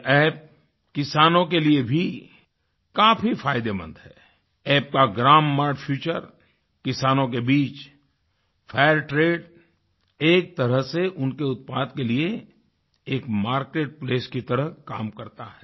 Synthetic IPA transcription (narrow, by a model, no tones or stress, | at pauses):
ɛːp̚ | kɪsaːnõk̬eliebʱi | kaːfifʰaːɪd̪emɐ̰̃nd̪ɦɛː | ɛːp̚kaɡɾaːmːaːɾɖfʰjuːt͡ʃəɾ | kɪsaːnõk̬ebiːt͡ʃ | fʰaːjəɾʈɾeːɖ | eːk̚t̪ɐɾəɦseʔʊnkeʊt̪̚paːd̪kelie | eːkmaːɾkeːʈ̚pleːskit̪ɐɾəɦkaːmkɐɾt̪aɦɛː